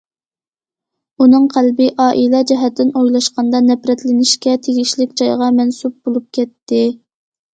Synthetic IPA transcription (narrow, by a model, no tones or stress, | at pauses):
unɨŋqʰælbɪʔɑːʔilɛd͡ʒɛɦɛt̪ːɪnojlˠɑʃqɑnd̪ɑnɛpɾɛt̪lɪnɪʃkʲɛt̪ʰeɡʲiʃlɪkʲd͡ʒɑjʁɑmɛnsup̚bolˠup̚kʲʰɛt̪ːɪ